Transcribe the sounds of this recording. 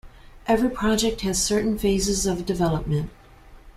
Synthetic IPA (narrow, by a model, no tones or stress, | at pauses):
ʔɛvɹipʰɹ̥ɑd͡ʒɛk̚t̚hɨz̥sɜ˞ʔn̩feɪzɨzʌvdɨvɛlˠəp̚mɨ̃nt̚